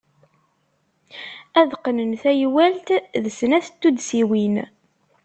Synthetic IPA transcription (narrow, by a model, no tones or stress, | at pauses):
æðqənənθæjwælt̪ðəsnæθt̪ːud̪siwin